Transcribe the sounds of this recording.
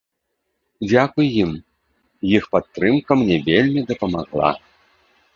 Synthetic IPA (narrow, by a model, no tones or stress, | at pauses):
d͡zʲakujːim | jixpat̪ːɾɨmkɐmnʲɛvʲelʲmʲid̪ɐpɐmaɣlˠa̰